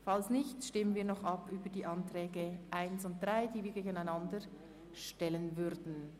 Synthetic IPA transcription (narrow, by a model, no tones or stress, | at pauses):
falsnɪçtʃtɪmənviːɐnɔχɑpyːbədiːʔɑntʁ̥ɛːɡəʔaɪnsʊnt̚d̥ʁaɪd̥iːviːɡeːɡənaɪnɑndə | ʃtɛlənvʏɾdn̩